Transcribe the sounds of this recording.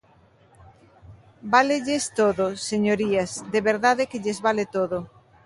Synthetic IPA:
baleʎest̪oðoseɲoɾiɐsd̪eβeɾðaðekeʎezβalet̪oðo

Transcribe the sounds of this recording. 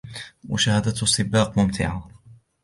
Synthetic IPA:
wə̰ʃahæd̪æt̪sˤːɨbɑqmʊmt̪ʰɪ̰ʕa

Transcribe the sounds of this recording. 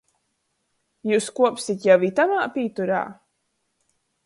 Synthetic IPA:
juːskuɔpsit̪jawit̪amaːpʲiːt̪uɾa̰ː

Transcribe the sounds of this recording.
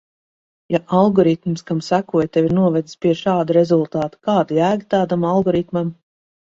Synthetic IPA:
jaʔalˠɡɔɾit̪mskamsækuɔjt̪eviɾnuɔvɛd̪spʲiɛʃaːd̪uɾezulˠt̪ɑːt̪u̥kaːd̪ijæːɡʲit̪aːd̪amalˠɡɔɾit̪mam

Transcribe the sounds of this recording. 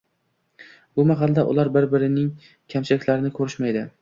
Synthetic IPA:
bʊmaɦɑlˠd̪aʔʊ̰lˠaɾbɪɾbɪɾɪnɪŋ | kʲʰamt͡ʃʰɪlɪkʲlaɾɪnɪkʰɵɾɪʃmajd̪ɪ

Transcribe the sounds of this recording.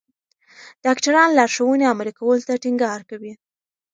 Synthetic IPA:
d̥ɑkʈaɾɑnlɑɾʃawəneamalikawəlot̪aʈiŋɡɑɾkawi

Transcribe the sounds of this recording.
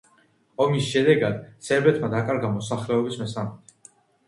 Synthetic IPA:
ɔmisʃɛd̪ɛɡad̪̥sɛɾbɛt̪ʰmad̪akʼaɾɡamɔsaχlɛɔbismɛsamit̪ʰ

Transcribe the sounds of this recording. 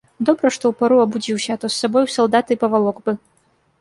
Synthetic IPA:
d̪ɔbɾɐʂt̪ɔwpaɾuɐbud͡zʲiwɕʲɐt̪ɔsːabɔjwsɐlˠd̪at̪ɨpɐvalˠɔkbɨ

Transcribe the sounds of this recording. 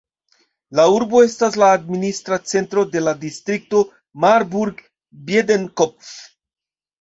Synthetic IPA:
lauɾbo̞e̞staslaːdministɾat͡se̞ntɾo̞de̞ladistɾik̚to̞ | maɾbuɾɡ | bjedenkopf

